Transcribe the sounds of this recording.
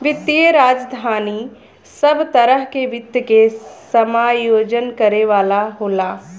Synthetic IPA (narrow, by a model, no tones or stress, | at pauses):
ʋɪt̪ːieɾaːd͡ʒd̪ʱaːni | səbt̪ɐɾəɦkeʋɪt̪jəkesəmaːjoːd͡ʒənkɐɾeʋaːlaɦoːlaː